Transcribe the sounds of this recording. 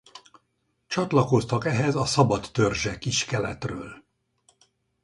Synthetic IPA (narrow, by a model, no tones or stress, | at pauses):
t͡ʃɒt̪lɒko̞st̪ɒkɛɦɛzɒsɒbɒt̪ːørʒɛkːiʃkɛlɛ̰t̪røːl